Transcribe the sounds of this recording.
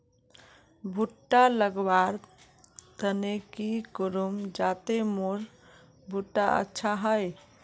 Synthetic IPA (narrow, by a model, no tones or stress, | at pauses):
bʱuʈːaləɡbaɾ | t̪ənekikuɾumd͡ʒat̪emoɾ | bʱuʈːaə̰tːʃʰaɦəj